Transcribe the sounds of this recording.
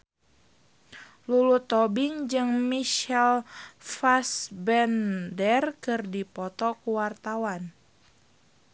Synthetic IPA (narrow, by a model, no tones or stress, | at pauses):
lulut̪ɔbiŋd͡ʒɨŋmiʃɛlfasbɛndɛrkɨrdipɔt̪ɔkuwart̪awan